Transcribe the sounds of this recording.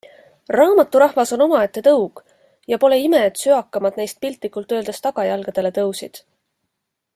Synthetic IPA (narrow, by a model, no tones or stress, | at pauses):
rɑːmɑt̪ːˑuɾɑhvɑso̞no̞mɑe̞t̪ːe̞t̪ɤwɡ̥ | jɑpo̞le̞ime̞dt̪syɑkːˑɑmɑd̪nejst̪̚pilt̪ˑlikult̪ø̞ːld̪e̞st̪ɑɡ̥ɑjɑlɡ̥ɑd̪̥e̞le̞t̪ɤwsid̪̥